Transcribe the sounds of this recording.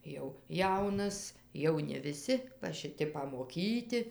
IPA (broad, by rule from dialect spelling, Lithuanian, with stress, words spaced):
jɛʊ ˈjɛʊnɐs jɛʊ nʲɛ ʋʲɪˈsʲɪ ʋɐ ʃʲɪˈtʲɪ pɐmoːˈkʲiːtʲɪ